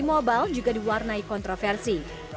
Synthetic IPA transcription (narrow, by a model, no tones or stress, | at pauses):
imɔbald͡ʒuɡadiwarnaikɔnt̪ɾɔfɛrsi